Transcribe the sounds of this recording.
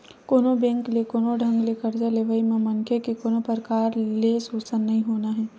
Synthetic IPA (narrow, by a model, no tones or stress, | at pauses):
koːnobɛ̃ːŋklekoːnoɖʱɐ̃ŋɡlekɐɾd͡ʒaleʋəimẽmɐnkʰekikoːnopəɾkaːɾlesoːsənːɐɦĩɦoːnaɦɛː